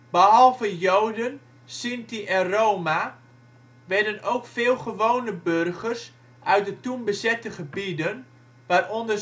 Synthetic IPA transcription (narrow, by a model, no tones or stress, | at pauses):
b̥əɦɑlˠvəjowdən | sintiʔɛroːma | ʋɛɹdənowkfɪːlˠχəʋownəbørχərs | ʔœɥt̚dətumbəzɛtəχəbidən | ʋaːrʔɔndə